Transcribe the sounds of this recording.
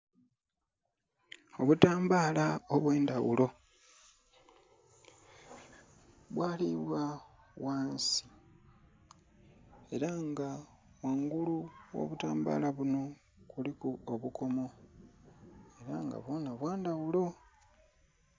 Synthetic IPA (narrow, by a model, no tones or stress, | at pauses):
o̞βutaːmbaːlaoβwe̞ːndawṵlo̞ | βwaːliβwa | waːnsi̥ | e̞ɾaŋɡa | waŋɡuluwo̰ːβutaːmba̰ːlaβuno̞ | kulikuoβuko̞mo̞ | e̞ɾaŋɡa̰βwo̞ːnaβwaːndawulo̞